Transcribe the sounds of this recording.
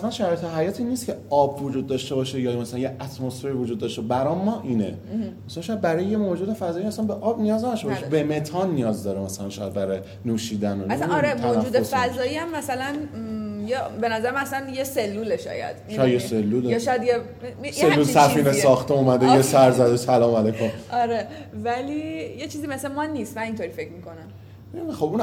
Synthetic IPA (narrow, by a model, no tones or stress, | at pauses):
æslænʃæɾɒjet̪ʰeɦæjɒːt̪ʰiːnːist̪̚cʰeɒːbvod͡ʒuːd̪̚ːɒʃt̪e̞bɒːʃejɒmæsælænjeʔæt̪ʰmosfe̞ɾivod͡ʒuːd̪ːɒʃt̪ebæɾɒmːɒːʔiːnḛ | mæsælænʃɔːjæd̪̚bæɾɒːjejemod͡ʒuːd̪efæzɒːjimæsænbeʔɒbnijɒːznædʃt̪ebɔʃebeme̞t̪ʰɒnːijɒːzd̪ɒɾemæsælænʃɔjæd̪̚bæɾɒje | nuːʃiːd̪ænonɾet̪mæod͡ʒuːd̪esfæzɒːiæmːæsælænjebenæzæɾemææsænjeselːuːleʃɒ̰ːjæ̰d̪̥ʃiajeselːulejʃɔjæd̪je | sellːulsæfiːnesɒːxt̪ʰeumæd̪ejesæɾzæd̪esælɒːmælejkʰomɒɾe | vælijet͡ʃʰiːzimesemɒnːiːst̪mænint̪ʰoɾiːfe̞cʰmiːkʰo̞næm | meimxobun